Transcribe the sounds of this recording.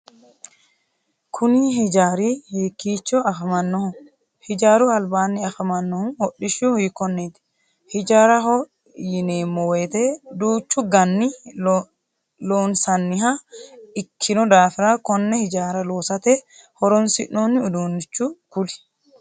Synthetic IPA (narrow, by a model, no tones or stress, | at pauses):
kʰʊniɦɪd͡ʒaːɾiːhiːkːiːt͡ʃːɔɐfmɐnːɔhʊ | hɪd͡ʒaːɾuɐlbaːnːɪɐfɐmɐnːɔhʊnhɔɗːɪʃuhiːkːɔnːeːt̪ɪ̥ | hɪd͡ʒaːɾɐɦɔ | jɪneːmːɔweːt̪eːd̪uːt͡ʃːʊɡɐnːɪ | loːnsɐnːɪɦaɪkʰːɪnɔd̪aːfɪɾaːkɔnːɛhɪd͡ʒaːɾɐloːsɐt̪eːhɔɾɔnsɪ̰ʔoːnɪʊd̪uːnːɪt͡ʃːukʊlɪ̥